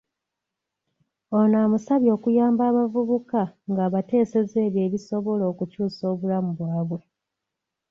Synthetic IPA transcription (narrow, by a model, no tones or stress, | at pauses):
onaːmusaβjo̞ːkujaːmbaːβavuβukaŋɡaːβate̞ːse̞ze̞ːβje̞ːβiso̞βo̞lo̞ːkucuːso̞ːβulamuβwaːβwe̞